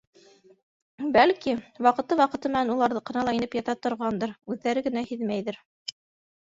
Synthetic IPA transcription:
bælkiwɑqɤ̆t̪ɤwɑqɤ̆t̪ɤmɘ̆nænulˠɑɾðɤqɤ̆nɑlˠɑinɘpjɑt̪ɑt̪ŏɾʁɑnd̪ɤɾʉðːæɾɘɡɘ̆næhiðmæjðɘɾ

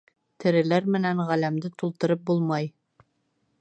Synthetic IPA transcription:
t̪ɘ̆ɾɘ̆læɾmɘ̆næŋʁælæmd̪ɘt̪ulˠt̪ɤ̆ɾɤp̚bulˠmɑj

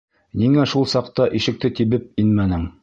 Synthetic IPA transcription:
niŋæʃulˠsɑqt̪ɑʔiʃɘ̆k̚t̪ɘt̪ibɘp̚inmænɘŋ

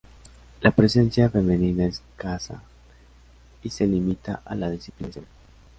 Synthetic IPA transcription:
lapɾese̞nsjafe̞meninaeskasa̰ | ise̞limit̪aʔalaðisi̥plinasjon

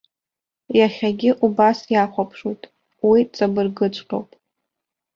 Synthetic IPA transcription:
jaχʲaɡʲɪʔubasjaχʷapʰʂutʼ | wit͡sʼabɨrɡɨt͡ʃʷʼqʲo̰wpʼ

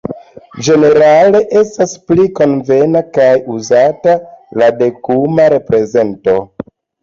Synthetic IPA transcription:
d͡ʒe̞ne̞ɾale̞ʔe̞staspliko̞nve̞nakajuzatalade̞kumaɾe̞pɾe̞ze̞nto̞

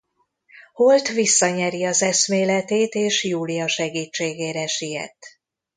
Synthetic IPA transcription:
holt̪ʋisːɒɲɛɾiɒzɛsmeːlɛt̪eːt̪eːʃjuːlijɒʃɛɡiːt͡ʃːeːɡeːɾɛʃijɛ̰t̪ː

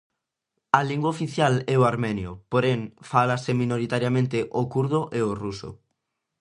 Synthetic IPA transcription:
aliŋɡwaofiθjalɛoaɾmɛnjopoɾeŋfalasemĩnoɾit̪aɾjamẽnt̪eʔokuɾð̞oʔeoruso̰

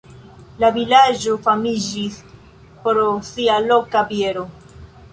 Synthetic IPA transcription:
lavilad͡ʒo̞famid͡ʒis | poɾosialo̞kabieɾo̞

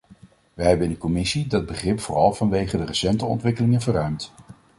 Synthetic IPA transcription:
ʋəɦɛbənɪndəkɔmɪsidɑd̚bəχrɪpfʊrɑlˠvɑnʋejχədərəsɛntəɔ̰ntʋɪkəlɪŋənvərœɥmt

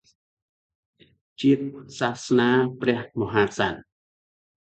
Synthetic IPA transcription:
t͡ɕiət̚sahsnaːprɛ̆əhmoɦaːsan

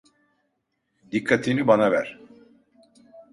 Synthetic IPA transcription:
d̪ikʰːat̪ʰinibanavæɾ̥

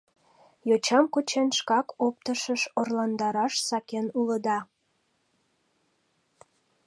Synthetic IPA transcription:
jot͡ɕɑmkot͡ɕenʃkɑkop̚t̪əʃəʃorlɑnd̪ɑɾɑʃsɑkenuləd̪ɑ

